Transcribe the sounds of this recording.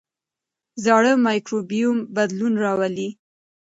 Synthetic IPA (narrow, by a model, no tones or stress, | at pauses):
zɑɽəmɑjkɾobijumbad̪lunɾɑwali